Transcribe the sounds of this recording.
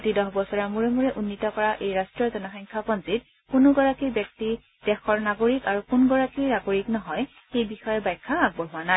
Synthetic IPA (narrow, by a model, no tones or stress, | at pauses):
otidɔxbɔsɔɹamuɹemuɹɛʔunːitɔkɔɹaʔejɹastɹiɔɹzɔnaxɔjŋkʰapɔnzit | kunʊɡɔɹakibjɔk̚ti | d̥ɛxɔɹnaɡoɹikaɹukunɡɔɹakinaɡoɹiknɔɦɔj | xejbixɔjɛbajkʰːaaɡ̚bɔɦʊwanaj